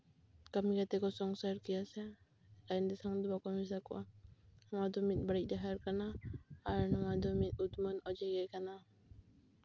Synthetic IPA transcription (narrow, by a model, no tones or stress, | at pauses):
kamiɡat̪ɛkɔsɔŋsaɾkijasɛ | lajnd̪ɛsaŋd̪uakɔmis̬akɔ̰ʔa̰hmad̪ɔmit̪̚ˀbaɽic̚ˀd̪aɦaɾkanaaɾnɔmad̪ɔmit̪̚ut̪mɔnɔd͡ʒɛɡɛkana